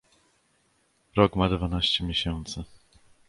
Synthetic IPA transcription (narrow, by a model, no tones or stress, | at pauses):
ɾɔkmad̪vanaɕt͡ɕɛmʲjeɕɛnt̪sɘ